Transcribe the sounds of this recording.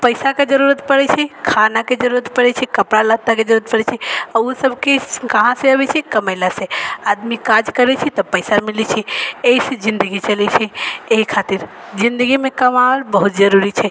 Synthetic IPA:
pəɪsaked͡ʒəɾuɾət̪pəɽɛt͡ʃʰɛkʰanaked͡ʒəɾuɾət̪pəɽɛt͡ʃʰɛkəpɽalat̪ːaked͡ʒəɾuɾət̪̚pəɽɛt͡ʃʰɛausəbʱkekəɦãseəbɛt͡ʃʰɛkəməɪlasead̪mikad͡ʒkəɾɛt͡ʃʰɛt̪ɔpəjsamilɛt͡ʃʰɛeised͡ʒĩnd̪əɡit͡ʃəlɛt͡ʃʰɛeɦikʰat̪iɾd͡ʒind̪əɡimekəmaɾbəɦut̪̚d͡ʒəɾuɾit͡ʃʰɛ

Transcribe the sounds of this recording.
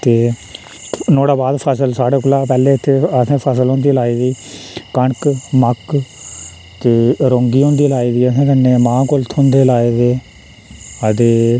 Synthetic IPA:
t̪eː | noːɽaːbaːd̪pʰəsəlsaːɽeːklaːpɛːleːt̪ʰːeːəsẽːpʰəsəlɦõːnd̪iːlaːiːd̪iːkəɳkmək | t̪eːɾõːŋɡiːɦõːnd̪iːlaːiːd̪iːəsẽːkənːẽːmãːkolt̪ʰʊ̃nd̪eːlaːeːd̪eː | əd̪eː

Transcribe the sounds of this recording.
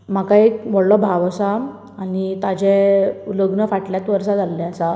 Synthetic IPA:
m̤akaekʋɔɽlɔbʱaʋəsa | anit̪ad͡ʑɛuləɡnəfaʈljat̪ʋəɾsad͡zalːɛasa

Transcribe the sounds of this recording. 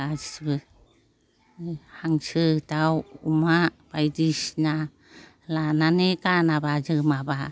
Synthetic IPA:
a | haŋt͡ʃɯt̪awumabajdiʃna | lananekanabad͡ʒɯmaba

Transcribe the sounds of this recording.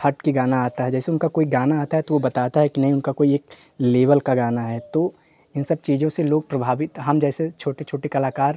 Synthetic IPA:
hɐʈkiɡaːnaaːt̪aɦɛd͡ʒɛːseʊnkakoːiɡaːnaaːt̪aɦɛt̪oʋobɐt̪aːt̪aɦɛkinɐɦĩʊnkakoːieːk | leːʋəlkaɡaːnaɦɛːt̪oː | ɪnsɐb̚t͡ʃiːd͡ʒõseloːɡ̚pɾɐbʱaːʋɪt̪ɦɐmd͡ʒɛːset͡ʃʰoːʈet͡ʃʰoːʈekɐlaːkaːɾ

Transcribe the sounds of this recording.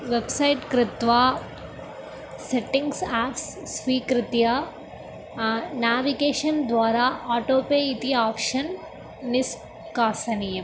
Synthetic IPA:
ʋebsɐjʈkɾɪt̪ʋaː | seʈĩŋɡsaːpsː | ʋiːkɾɪt̪jɐ | naːʋiɡeːʃɐnd̪ʋaːɾaːaːʈoːpeːit̪iaːpʃɐnː | is | kaːsɐnijɐ

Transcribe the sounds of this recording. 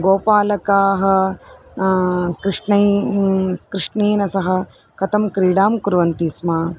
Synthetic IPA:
ɡoːpaːlɐkaːɦɐ̆ | kɾiʂnɐ | kɾɪʂɳeːnɐsɐɦɐ̆ | kɐt̪ɐmkɾiːɽaːmkuɾʋɐnt̪iːsmaː

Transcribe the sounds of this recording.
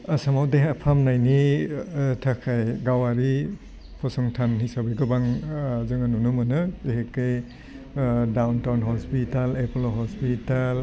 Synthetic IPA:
asamawdeɦapʰamnajni | tʰakʰajɡawaɾi | pʰɔsɔŋtʰanhisabeɡɯbaŋzɯŋɯnunumɯnɯehekej | dawntawnɦɔspitaleplɦɔspital

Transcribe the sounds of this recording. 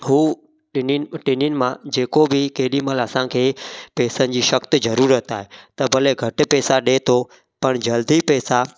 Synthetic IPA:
ɦuː | ɪnnʈɪnɪjʊnɪ̆mãd͡ʑeːkobɪkɐɦɪɗiməlɐsãkʰeːpɛːsənɪ̆d͡ʑiːʃɐkt̪ɪzɐɾuːɾət̪aːɦet̪ɐbʱɐleɡʱɐʈɪ̆pɛːsaɗet̪ʰo | pɐɽ̃d͡ʑɐld̪ipɛːsa

